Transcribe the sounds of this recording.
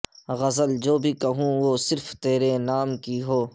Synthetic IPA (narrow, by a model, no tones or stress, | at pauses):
ɣɐzəld͡ʒoːbʱikɐɦũʋoːsɪɾft̪eːɾenaːmkiɦoː